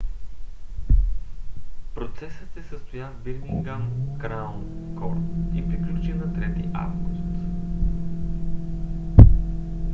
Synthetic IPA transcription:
pɾot̪sɛsət̪ɛsəst̪ojat̪biɾmiŋɡankɾawn | kɔɾt̪ipɾiklʲut͡ʃinɐt̪ɾɛt̪ḭʔa̰vɡust̪

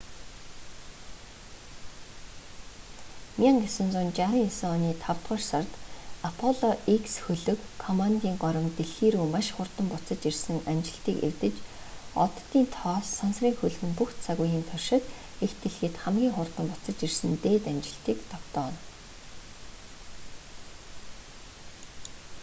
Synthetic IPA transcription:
miaŋɡesʊ̆nt͡sʊnt͡ɕaɾiŋisɔniːt̪ʰaw̥t̪ɢə̆rsart̪apʰɔɮɔʔiksxɵɮɵ̆kʰːɔmant̪iːŋɢɔɾʲɞ̆mt̪eɮxiːɾuːmaʃχʊrt̪ə̆mpʊt͡sə̆t͡ɕirsɘ̆ŋamt͡ɕɪ̆ɬt̪iːkḛrt̪ɘ̆t͡ɕ | ɔ̰t̪ːiːnt̪ʰɔːssansriːŋxɵɮɣɘ̆mpuxt̪t͡sʰaɣujiːnt̪ʰɔrʃɪ̆t̪ | ext̪ʰeɮxɘ̆t̪χamɡʲiːŋχʊrt̪ə̆mpʊt͡sə̆t͡ɕirsɘ̆nt̪eːt̪amt͡ɕɪ̆ɬt̪iːkt̪ʰɔkt̪ɔːn

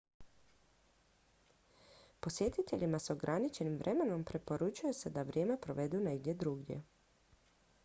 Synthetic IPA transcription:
po̞sje̞t̪it̪e̞ʎʲimaso̞ɡɾʔanit͡ʃe̞nimʋɾʔeme̞no̞mpɾe̞po̞ɾut͡ʃujese̞d̪aʋɾʲjeːme̞pɾo̞ʋe̞d̪uneɡd̪je̞d̪ɾuɡjḛ

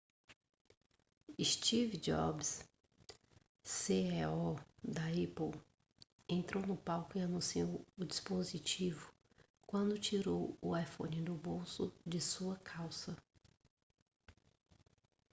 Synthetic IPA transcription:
ist͡ʃivd͡ʒɔ̰bs | seɛɔd̪ɐɛpow | ẽnt̪ɾownʊpawkʊianũsiowʊd͡ʒispozit͡ʃivʊ | kwɐ̃nd̪ʊt͡ʃiɾowʊajfõ̰nɪd̪ʊbowsʊd͡ʒɪsuɐkʰawsɐ

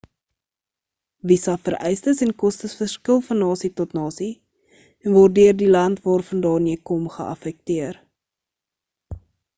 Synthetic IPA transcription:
visɐfəɾʔɛjstəsɛnkɔstəsfərskəlˠfɐnːɑːsitɔtnɑːsi | ɛnvɔːrdøərdilɐntvɑːrfɐndɑːrniəkɔmχə̰ʔɐ̰fɛk̚tiər

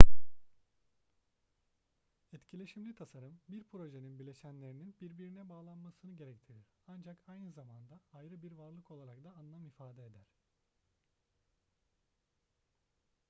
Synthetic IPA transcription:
ɛt̪cʰilʲe̞ʃimlʲit̪ʰasaɾɯmbiɾpʰɾo̞ʒeninbilʲe̞ʃænlʲe̞ɾininbiɾbiɾinɛbaːlˠanmasɯnɯɟe̞ɾɛct̪ʰiɾiɾ̥and͡ʒakajnɯzamand̪aːjɾɯbiɾvaɾlˠɯko̞lˠaɾakd̪aːnlˠamifaːd̪ɛed̪æɾ̥

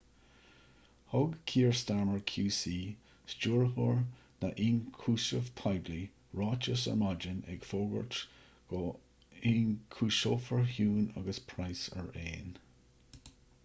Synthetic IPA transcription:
hʊɡkʰiːɹstaɹməɹkʰjuːsiː | st͡ʃuːɹhuɹ | naʔiːnkʰuːsəv̥tʰajbli | ɹɑt͡ʃəsə̰mɑd͡ʒənɛ̰ɡ̥foːɡə̰ɹt | ɡ̥ɔ | inkʰuːʃoːfəɹhjuːna̰ɡəspʰɹajsə̰ɹḛːn

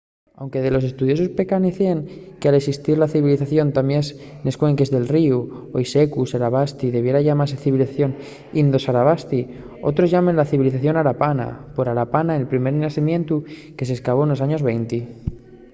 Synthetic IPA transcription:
awŋke̞ðe̞lo̞s̬e̞st̪uð̞jo̞sospe̞kaniθeŋkealeksist̪iɾlaθiβiliθaθjo̞nt̪amjens | ne̞skwe̞ŋke̞zðe̞lriuojse̞kusaɾaβast̪iðe̞βje̞ɾaʝamaɾseθiβiliθaθjo̞n | ind̪o̞saɾaβ̞ast̪i | o̞̰t̪ɾo̞zʝamenlaθiβiliθaθjo̞naɾapana̰po̞ɾaɾapanaelpɾime̞ɾnasimje̞nt̪uke̞s̬eskaβ̞o̞enlo̞s̬aɲo̞zβe̞jnt̪i

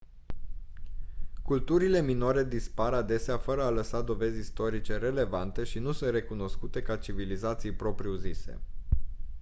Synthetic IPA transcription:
kult̪uɾile̞minoɾe̞d̪ispaɾad̪e̞seafəɾəaləsad̪o̞ve̞zʲist̪o̞ɾit͡ʃe̞ɾe̞le̞vant̪e̞ʃinusunt̪re̞kuno̞skut̪e̞kat͡ʃivilizat̪sijpɾo̞pɾiuzise̞̰

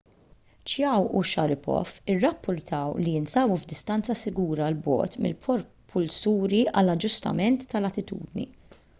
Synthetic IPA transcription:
t͡ʃjɐwuʃɐɾɪpɔ̰fɪrːɐpːʊɾt̪ɐwliɪnsɐːbuvd̪ɪst̪ɐnt͡sːɐsɪɡuːɾɐlbɔ̰ːt̪mɪ̰lpʰɔɾ | pʰʊlsuːɾiʔɐlɐd͡ʒːʊst̪ɐ̰mɛnt̪ːɐlɐt̪ɪt̪ṵːd̪nḭ

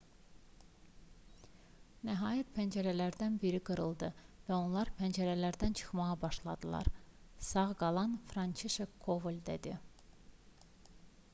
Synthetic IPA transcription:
næɦɑːjæt̪̚pʰænd͡ʒæɾælæɾd̪ænbiɾiɡɯɾɯlˠd̪ɯvæo̞nlˠɑɾpʰænd͡ʒæɾælæɾd̪ænt͡ʃʰɯ̥χmɑʁɑbɑʃlˠɑd̪ɯlˠɑ̰ɾsɑʁɡɑlˠɑnfɾɑnt͡ʃʰeʃekʰːovulʲd̪ḛd̪i

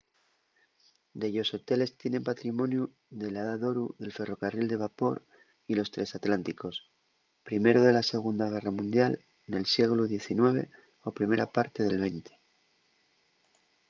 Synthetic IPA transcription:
d̪e̞ʎo̞so̞t̪e̞le̞st̪je̞ne̞mpat̪ɾimõ̞nju | ðe̞laðaðo̞ɾuðe̞lfe̞ro̞karild̪e̞β̞apo̞̰ɾ | ilo̞st̪ɾe̞sat̪lant̪iko̞s | pɾime̞ɾoð̞e̞lase̞ɣ̞und̪aɣ̞e̞ramũnd̪jal | ne̞lsje̞ɣ̞luðje̞θinwe̞βe̞̰ | o̞pɾime̞ɾapaɾt̪e̞ð̞e̞lβe̞jnt̪e̥

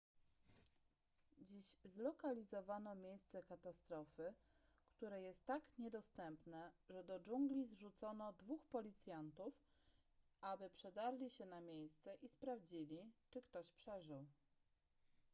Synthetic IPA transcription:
d͡ʑiɕzlɔkalʲizɔvanɔmʲjejst̪sɛkat̪ast̪ɾɔfɘ | kt̪uɾɛjɛst̪ːakɲɛd̪ɔst̪ɛmpnɛʐɛd̪ɔd͡ʐuŋɡlʲizʐut̪sɔnɔd̪vuxpɔlʲit̪sʲjant̪uf | ʔabɘpʂɛd̪aɾlʲiɕɛnamʲjejst̪sɛʔispɾavd͡ʑilʲit͡ʂɘkt̪ɔɕpʂɛʐɘw

